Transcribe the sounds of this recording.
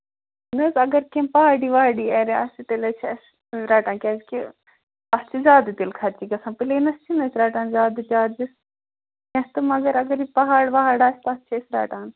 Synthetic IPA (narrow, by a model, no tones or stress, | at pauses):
nɐsɐɡɐɾkempɐɦaːɽiːʋaːɖiːɛːɾia̰sit̪elɐt͡ʃʰɐs | ɾaːʈãːnkʲɛːzki | ɐst͡ʃʰizaːd̪ɨt̪ilkʰɐt͡ʃikɐsãːpilenɐst͡ʃʰinɐsʰɾaːʈaːnzʲaːd̪d͡ʒaːd̪d͡ʒisʲ | ɛ̃st̪ɨmɐɡɐɾɐɡɐɾipɐɦaːɽʋɐɦaːɽaːsʲt̪ɐst͡ʃʰesɾa̰ːʈaːn